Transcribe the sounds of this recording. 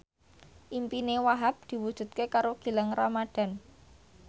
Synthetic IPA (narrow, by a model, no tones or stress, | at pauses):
ʔimpinewaɦap̚d̪̥i̤wud̥ʒ̥ṳt̪̚kekaɾoɡ̥i̤laŋramad̥a̤n